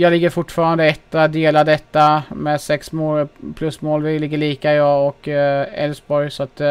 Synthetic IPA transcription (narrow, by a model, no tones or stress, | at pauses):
jɑːlɪɡːəɾfʊʈːfɑːɾand̪əɛt̪ːad̪eːlad̪ɛt̪ːamɛsɛksmoːlpʰlɵsmoːlvɪlɪɡːəɭiːkaɪd̪ɑːɔkɛ̰lsbɔɾjsɔat̪